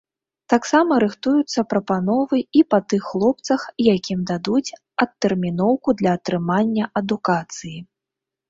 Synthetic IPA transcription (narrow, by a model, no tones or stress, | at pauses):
t̪aksamɐɾɨxt̪ujut̪sːɐpɾɐpan̪ɔvɨipɐt̪ɨxːlˠɔp̚t̪sɐxjakʲimd̪ad̪ut͡sʲ | ɐt̪ːɛrmʲinɔwkud̪lʲɐːt̪ɾɨmanʲːɐʔɐd̪ukat̪sɨji